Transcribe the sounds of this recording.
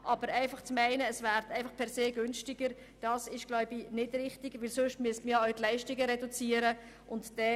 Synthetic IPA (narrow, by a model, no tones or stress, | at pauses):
ʔɑb̥əɾæɪfɑχt͡smæɪnəːsvæːɾtʰæɪfɑχpʰɛɾseːɡʏnʃtɪɡəɾ | d̥ɑːsɪʃɡ̥laʊbinɪdrɪχtɪɡ̥ʋɪlsʊʃtmyəstməjɑaʊtlɛɪʃtɪɡəɾɛdut͡siːəɾə | ʔʊntd̥ɛ